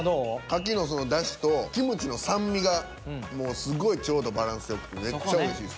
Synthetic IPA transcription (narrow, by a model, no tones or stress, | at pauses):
dokak̬ʲino̞so̞no̞d̪aɕi̥t̪o̞kʲimɯ̟t͡ɕino̞sãmːʲiɡa | mo̞ːsɨɡo̞it͡ɕo̞ːd̪o̞baɾãɰ̃sɨjokɯ̟t̪ːeme̞t͡ɕːaɯɾeɕiːs